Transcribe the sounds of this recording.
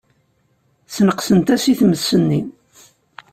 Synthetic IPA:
θnəqsənt̪æsiθməsːənːi

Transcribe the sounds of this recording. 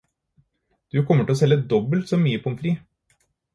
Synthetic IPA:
d̪̥ʉkʰɔmːəʈʰɛlɔsɛlːəd̪ɔbəlt̪sɔːmyːəpʰɔmfɾiː

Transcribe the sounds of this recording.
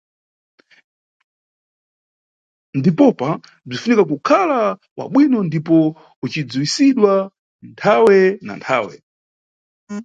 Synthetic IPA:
ndipɔpa | b͡ʐifunikakukʰala | wa̰ɓwinɔndipɔ | ut͡ʃid͡zuwisiɗwa | ntʰawɛna̰ntʰa̰ːwɛ̰

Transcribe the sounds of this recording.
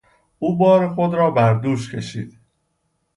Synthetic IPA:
ʔuːbɒːɾexod̪ɾɒːbæɾd̪uːʃcʰe̞ʃḭːd̪̥

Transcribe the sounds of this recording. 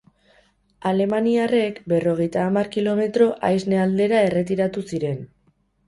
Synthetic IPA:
ale̞maniare̞kbe̞ro̞ɣe̞jt̪aːmaɾkilo̞me̞t̪ɾo̞ʔajzne̞ald̪e̞ɾae̞re̞t̪iɾat̪usiɾe̞n

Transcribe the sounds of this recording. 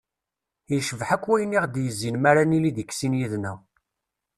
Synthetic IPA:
jʃəvħækʷːwæjənːiʁd̪jəzːinmæɾaniliðəkːsinjiðnæw

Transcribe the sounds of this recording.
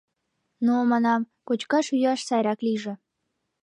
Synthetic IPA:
nomɑnɑm | kot͡ɕkɑʃyjɑʃsɑjɾɑkliʒĕ

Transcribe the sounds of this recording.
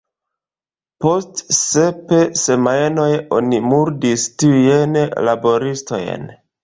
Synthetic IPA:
po̞stse̞pese̞majno̞jo̞̰nimuɾdistiujenlabo̞ɾisto̞̰j̰n

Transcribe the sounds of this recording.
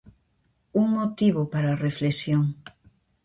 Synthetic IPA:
uŋmot̪iβʊpaɾareflesjoŋ

